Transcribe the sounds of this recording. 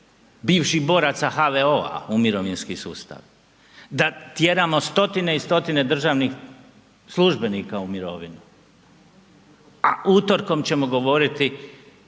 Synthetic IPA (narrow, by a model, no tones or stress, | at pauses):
biːʋʃibo̞ːɾat̪saɦaʋeo̞a̰umiɾo̞ʋinskisṵːst̪a̰ʋ | d̪at̪je̞ɾaːmo̞st̪o̞t̪ine̞ist̪o̞t̪ine̞d̪r̩ʒaʋnix | slˠuʒbe̞niːkaumiɾo̞̰ʋinu | a̰ut̪o̞ɾko̞mt͡ɕe̞mo̞ɡo̞ʋo̞ɾit̪i